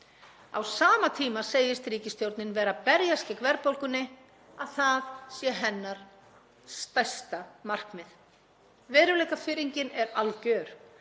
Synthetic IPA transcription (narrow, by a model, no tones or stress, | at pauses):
a̰wsaːmat̪ʰiːmaseːjɪst̪ɾiːcɪst̪jowɾt̪nɪnvɛːɾapɛɾjascɪkvɛɾpowlkʏnːɪ | aðθaðsjɛɦɛnːaɾ̥ | st̪ajst̪amar̥kmɪð | vɛːɾʏlejkafɪɾiɲcɪnɛɾalcœːɾ̥